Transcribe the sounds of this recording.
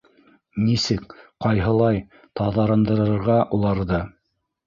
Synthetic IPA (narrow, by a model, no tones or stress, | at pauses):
nisɘkqɑjɦɤ̆lˠɑj | t̪ɑðɑɾɤ̆nd̪ɤ̆ɾɤ̆ɾɤ̆ɾʁɑʔulˠɑɾðɤ